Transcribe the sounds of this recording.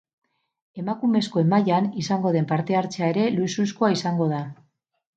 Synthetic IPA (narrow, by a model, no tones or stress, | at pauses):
e̞makume̞sko̞e̞maʎanisaŋɡo̞ð̞e̞mpaɾt̪e̞aɾt͡seae̞ɾe̞luisuskoaisaŋɡo̞ð̞a